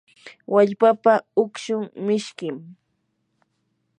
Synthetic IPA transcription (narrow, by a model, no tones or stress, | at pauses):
waʎpapaʊkʃʊŋmɪʃkɪm